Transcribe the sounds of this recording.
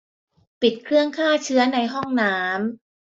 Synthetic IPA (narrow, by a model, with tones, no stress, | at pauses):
pi˨˩t̪̚kʰɾɯ˥˩əŋkʰaː˥˩t͡ɕʰɯ˦˥ɐna˧jɦɔ˥˩ŋnaː˦˥m